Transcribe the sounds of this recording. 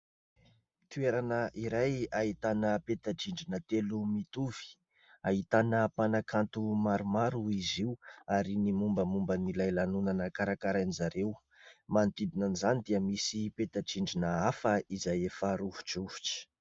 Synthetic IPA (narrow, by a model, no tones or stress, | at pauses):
t̪ueɾanəʔiɾajaɦit̪anəpet̪aʈ͡ʂiɳɖ͡ʐinət̪elumit̪uv̥i̥ | aɦit̪anəpanakʰant̪umaɾumaɾuiziuaɾinimumbəmumbənilajlanunanəkaɾakaɾanizaɾew | mant̪id̪inənizanid̪iəmisipet̪aʈ͡ʂiɳɖ͡ʐinəafəizajefəɾuvuʈ͡ʂuvu̥ʈ͡ʂi̥